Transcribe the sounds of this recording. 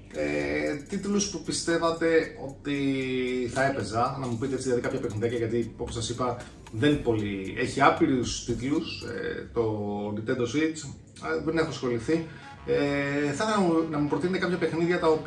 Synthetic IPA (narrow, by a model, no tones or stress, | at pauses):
et̪it̪luspupist̪e̞vɐt̪e̞o̞t̪i | θɐe̞pe̞zɐnɐmupit̪eet͡siðlɐðikɐpçɐpexniðjɐcɐʝɐt̪io̞po̞sɐsipɐ | ðe̞npo̞lie̞çiɐpiɾust̪it̪lusḛt̪o̞nit̪e̞nd̪o̞sit͡s | ðenexosxo̞liθi | eθɐθɐnɐunɐmupɾot̪inet̪ekɐpçɐpe̞xniðʝɐt̪ɐop